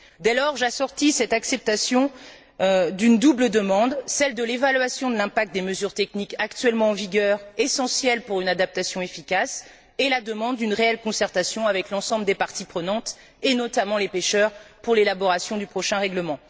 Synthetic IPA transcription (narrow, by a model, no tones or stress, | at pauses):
d̪ɛlɔʁʒasɔʁt̪isɛt̪aksɛp̚t̪asjɔ̃ | d̪ynd̪ubləd̪əmɑ̃d̪sɛld̪əlevalɥasjɔ̃d̪əlɛ̃pak̚t̪̚d̪eməzyʁt̪ɛknikakt̪ɥɛlmɑ̃ːviɡʲœʁesɑ̃sjɛlpuʁynad̪ap̚t̪asjɔ̃efikas | elad̪əmɑ̃d̪ːynʁeɛlkɔ̃sɛʁt̪asjɔ̃avɛklɑ̃sɑ̃bləd̪epaʁt̪ipχənɑ̃t̪ | enɔt̪amɑ̃lepeʃœʁpuʁlelabɔʁasjɔ̃d̪ypχɔʃɛ̃ʁɛɡləmɑ̃